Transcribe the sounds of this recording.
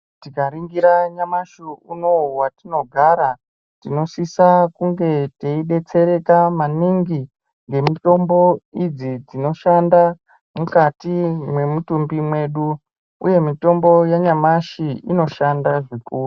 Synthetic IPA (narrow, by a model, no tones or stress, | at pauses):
tikaɾiŋɡiɾaɲamaʃuuno̞watino̞ɡʱaɾa | tino̞sisakuŋɡe̞teiɗe̞t͡se̞ɾe̞kamaniŋɡi | ŋɡe̞mito̞mbo̞id͡zid͡zino̞ʃanda | mukatimwe̞mutumbimwe̞ɗu | uje̞mito̞mbo̞jaɲamaʃiino̞ʃandaʐikuːru